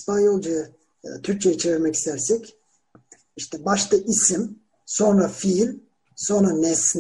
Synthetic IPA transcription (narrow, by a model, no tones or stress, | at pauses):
spanjolˠd͡ʒaj | t̪ʰyɾc̚t͡ʃʰɛjɛt͡ʃʰeviɾmɛci̥st̪ʰæɾsɛc | iʃt̪ʰɛbaʃt̪aʔisim | so̞nɾafilʲ | so̞nɾanɛsn